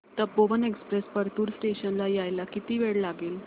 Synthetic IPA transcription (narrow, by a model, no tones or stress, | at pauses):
t̪əboʋənekspɾespəɾt̪uːɾsʈeɕənlajajlakit̪iːʋeɽlaɡeːl